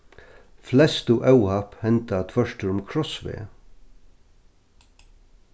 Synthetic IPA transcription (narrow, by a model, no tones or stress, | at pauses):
flɛst̪uʔɛwhaphɛnt̪at̪ʰvœʂt̪əɾʊmkʰɹɔsʋḛː